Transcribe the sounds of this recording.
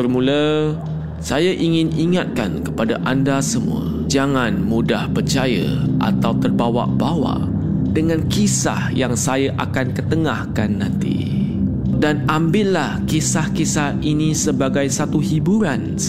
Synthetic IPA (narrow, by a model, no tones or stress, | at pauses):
ərmulə | sajaʔiŋɪ̃niŋat̪̚ka̰nkə̥padaʔandasəmṵə̰ | d͡ʒaŋãnmudahpərt͡ʃajə̰ʔa̰t̪awt̪ərbawa̰ʔbawa̰ʔdəŋãnkisa̰hjaŋsajaʔa̰kankət̪əŋahkanːãnt̪ḭ | danambɪʔlahkisahkisahinisəbaɡajsat̪uhibuɾan